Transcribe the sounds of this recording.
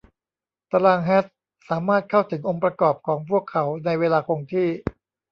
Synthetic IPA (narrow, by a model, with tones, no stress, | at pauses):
t̪a˧laː˧ŋɦɛː˦˥t̪̚ | saː˩˦maː˥˩t̪̚kʰa˥˩wt̪ʰɯ˩˦ŋʔo˧ŋpɾa˧kɔː˨˩p̚kʰɔː˩˦ŋpʰu˥˩əkʰːa˩˦wna˧jweː˧laː˧kʰo˧ŋt̪ʰiː˥˩